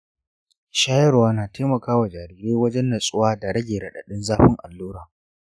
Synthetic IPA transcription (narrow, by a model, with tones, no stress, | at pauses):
ʃaː˦jɐ˦ɽwaː˦naː˨teː˦mɐ˨kaː˦wa˨d͡ʒaː˨ɾiː˨ɾeː˦wɐ˦d͡ʒɛ˦nːɐ˨sʼʊ˦waː˦da˨ɽɐ˦ɡʲeː˨ɽɐ˨ɗa̰˨ɗɪ˦nzaː˦ɸɪ˦ŋʔa˨lːuː˦ɽaː˨